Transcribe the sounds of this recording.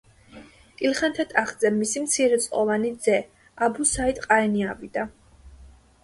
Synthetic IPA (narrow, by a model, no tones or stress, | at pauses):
kʼilχant̪ʰat̪ʼaχd̪zɛːisimt̪sʰiɾɛt̪sʼqʼɔvanid̪zɛ | abusait̪ʼqʼaɛniavid̪a